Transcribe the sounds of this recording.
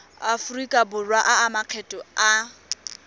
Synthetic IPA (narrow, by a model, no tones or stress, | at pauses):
afʊrikʼabʊrwaʔaːmaq͡χʰɛtʼɔa